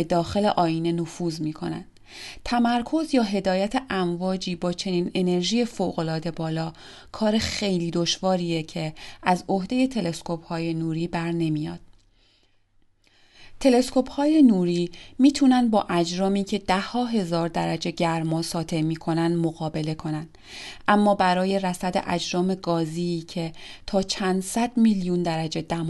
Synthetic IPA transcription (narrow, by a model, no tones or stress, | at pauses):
ed̪ɒːxe̞le̞ʔɒːiːne̞nofuːzmiːkʰo̞̰næ̰nd̥̪ | t̪ʰæmæɾkʰo̞zjɒːɦe̞d̪ɒːjæt̪ʰe̞ʔæɱvɒːd͡ʒiːbɒːt͡ʃʰe̞niːne̞ne̞ɾʒiːje̞foːɣo̞lɒːd̪e̞bɒːlɒː | kʰɒːɾe̞xe̞jliːd̪o̞ʃvɒːɾiːecʰe̞ʔæzohd̪e̞je̞t̪ʰe̞le̞skʰophɒːje̞nuːɾiːbæɾne̞mijɒ̰ːd̪̥ | t̪ʰe̞le̞skʰo̞phɒːje̞nuːɾiːmiːt̪ʰunænd̪̚bɒ̰ːʔæd͡ʒɾɒːmiːcʰe̞d̪æhɒːɦe̞zɒːɾd̪æɾæd͡ʒe̞ɟæɾmɒːsɒːt̪ʰe̞miːkʰo̞nænd̪moɣɒːbe̞le̞kʰo̞nænd̪̥ | ʔæmːɒːbæɾɒːje̞ɾæsæd̪ḛʔæd͡ʒɾɒːme̞ɡɒːziːcʰe̞t̪ʰɒːt͡ʃʰænd̪sæd̪̥miljund̪æɾæd͡ʒe̞d̪æm